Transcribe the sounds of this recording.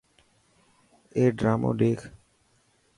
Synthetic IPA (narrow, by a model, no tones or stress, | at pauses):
eɖɾamo̰ɖ̪ekʰ